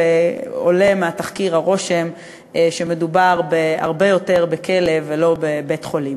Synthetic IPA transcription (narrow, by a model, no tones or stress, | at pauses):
eo̰le̞meataχkiʁhaʁo̞ʃe̞m | eʃeme̞dubaʁbea̰ʁbe̞jo̞te̞ʁbeke̞le̞velo̞bebe̞tχo̞lim